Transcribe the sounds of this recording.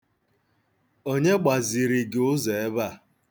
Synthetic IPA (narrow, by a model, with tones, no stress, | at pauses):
o˦ɲe˦ɡ͡ba˨zi˨ɾi˨ɡe˨ʊ˦ze˨e˦ba˦˨